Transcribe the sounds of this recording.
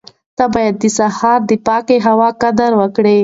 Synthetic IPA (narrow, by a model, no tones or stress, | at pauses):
t̪abɑjad̪ːəsahɑɾd̪əpɑkeɦawɑkad̪aɾwəkɽe